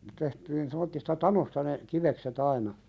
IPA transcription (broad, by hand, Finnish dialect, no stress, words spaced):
tehtiːn semːotːistɑ tɑnostɑ ne kiʋekset ɑinɑ